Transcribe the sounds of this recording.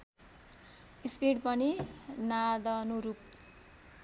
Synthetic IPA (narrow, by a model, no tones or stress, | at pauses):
ispiɽpʌninad̪ʌnuɾup̚